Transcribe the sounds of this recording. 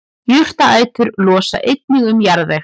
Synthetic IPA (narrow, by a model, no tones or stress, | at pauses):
jʏr̥t̪aaːjt̪ʏɾlɔːsa̰ʔejt̪̚nɪɣʏmjaɾðɛ